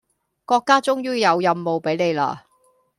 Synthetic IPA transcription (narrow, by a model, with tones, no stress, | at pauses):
kɔː˧kːaː˥t͡sʊ˥ŋjyː˥jɐ˨˧wjɐ˧mːo˨wpe˨˥jne˨˧jla̰ː˧